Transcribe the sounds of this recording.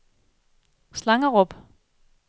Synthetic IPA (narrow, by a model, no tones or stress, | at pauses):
slɑ̈ŋɐʁɔb̥